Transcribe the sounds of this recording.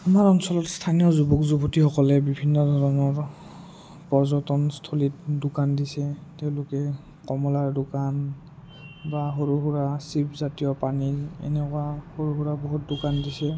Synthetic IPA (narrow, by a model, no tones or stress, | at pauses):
amaɹɔnsɔlɔtstʰanijɔzubɔkzubotixɔkɔlɛbibʱinːɔdʱɔɹɔnɔɹ | pɔzɔtɔnstʰolit̚dʊkandisɛteʊ̃lʊkɛ | kɔmɔlaɹdʊkan | baɦoɹuɦuɹasipzatijɔpaniɛ̰nɛkʊwahoɹuɦuɹabɔɦut̚dʊkandisɛ